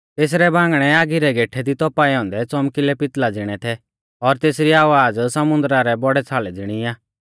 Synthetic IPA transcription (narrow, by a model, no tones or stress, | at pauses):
t̪eːs̬ɾɛbãːŋɡɽ̃ɛaːɡiɾɛɡeːʈʰɛd̪it̪ɔpaiɔ̃ːnd̪ɛt͡sɔmkɪlɛpɪt̪lad͡zɪɽ̃ɛt̪ʰɛ | ɔɾt̪eːsɾiaːʋaːd͡zsɐmʊ̃nd̪ɾaɾɛbɔɽɛt͡sʰaːlɛd͡zɪɽ̃iaː